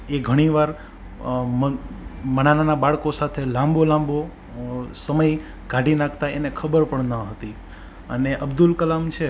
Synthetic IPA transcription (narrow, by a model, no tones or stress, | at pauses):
eɡʱəɽ̃iʋaɾ | mmənananabaɭkosat̪ʰelãmbolãmbo | səməj | ɡʱaɖinãkʰt̪aenekʰəbəɾpəɳnəɦət̪i | ə̰neʔəbd̪ulkəlamt͡ʃʰe